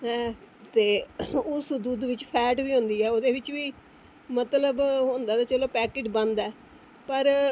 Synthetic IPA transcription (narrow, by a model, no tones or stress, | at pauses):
ɦɛ̃ːt̪eːʊsd̪uːd̪ʋɪt͡ʃpʰɛːʈʋiːɦõːnd̪iːɛːoːd̪eːʋɪt͡ʃʋiː | mət̪ləbɦõnd̪aːt̪aːt͡ʃəloːpɛːkeːʈbənd̪ɛː | pəɾ